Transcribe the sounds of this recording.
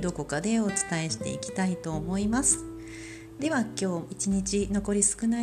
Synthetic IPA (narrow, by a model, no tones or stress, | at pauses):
d̪o̞ko̞kad̪e̞o̞t͡sɨ̥t̪ae̞ɕi̥t̪e̞̰ḭkʲi̥t̪ait̪o̞ːmo̞imasɨ̥ | d̪̥e̞βakʲo̞ːit͡ɕiɲ̟it͡ɕino̞ko̞ɾʲisɨ̥kɯ̟na